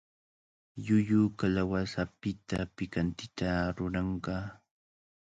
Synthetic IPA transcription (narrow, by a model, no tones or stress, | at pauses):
jʊjʊkalawasapɪt̪apɪkant̪ɪt̪aɾʊɾɑɴɢɑ